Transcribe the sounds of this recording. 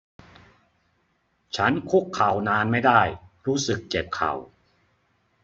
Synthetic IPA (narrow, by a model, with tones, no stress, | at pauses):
t͡ɕʰa˦˥nkʰu˦˥kʰːa˨˩wnaː˧nma˥˩jda˥˩jɾuː˦˥sɯ˨˩k̚t͡ɕe˨˩p̚kʰa̰˨˩w